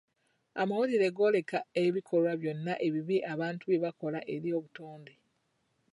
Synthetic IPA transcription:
a̰mawoliɾe̞ɡo̞ːle̞kaeβikʰo̞lwaβjo̞nːaʔe̞βiβiʔaβaːntuβeβako̞laʔe̞ɾio̞ːβuto̞ːnde

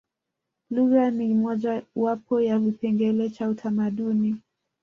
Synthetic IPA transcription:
luɣanimɔʄawapɔjavipɛŋɡɛlɛt͡ʃautʰamaɗuni

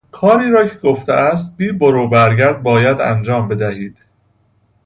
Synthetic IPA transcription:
kʰɒːɾiːɾɒːcʰeɡoft̪ḛʔæst̪̚biːboɾuːbæɾɡæɾd̪̚bɒːjæd̪æ̰nd͡ʒɒːmbe̞d̪æhiːd̪̥

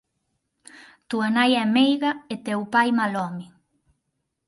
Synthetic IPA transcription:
t̪uanajɛmejɣaet̪ewpajmalɔmɪ

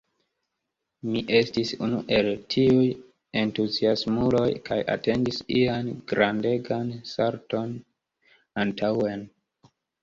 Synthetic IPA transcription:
miʔe̞stisunuʔe̞ltʰiuj | e̞ntuziasmulo̞jkaja̰te̞ndisianɡɾande̞ɡansaɾto̞n | antʰawe̞n

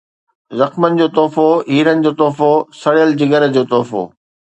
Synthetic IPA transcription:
zɐxmənɪ̆d͡ʑoːt̪ɔːfoɦiːɾənɪ̆d͡ʑoːt̪ɔːfosɐɽjəld͡ʑɪɡəɾd͡ʑoːt̪ɔːfo̰ː

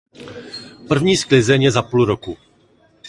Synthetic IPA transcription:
pr̩vɲiːsklɪzɛɲjɛzapulɾoku

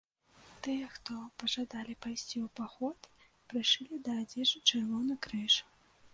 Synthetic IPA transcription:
t̪ɨjɛxt̪ɔpɐʐad̪alʲipajsʲt͡sʲiwpaxɔt̪ | pɾɨʂɨlʲid̪ɐːd͡zʲɛʐɨt͡ʂɛrvɔnɨkɾɨʂ

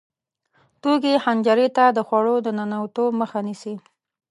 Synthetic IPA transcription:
t̪oɡehand͡ʒaɾet̪ad̪əxwaɽod̪ənanawt̪oməxanisi

